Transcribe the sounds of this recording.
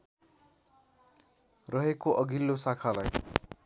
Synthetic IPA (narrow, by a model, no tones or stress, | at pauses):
rʌɦekoʔʌɡilːosakʰalaj